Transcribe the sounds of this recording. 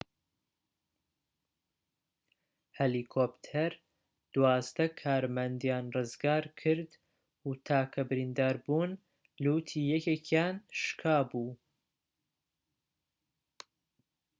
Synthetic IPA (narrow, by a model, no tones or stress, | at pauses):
helikʰopt̪ʰɛɾ | d̪̥waːzd̪ɐkʰaːɾmɐnd̪jaːnrɨzɡaːɾkʰɨɾd̪ | ut̪ʰaːkʰɐbɨɾind̪aːɾbuːn | luːt̪ʰiːjɛkekʰjaːnʃkʰaːbuː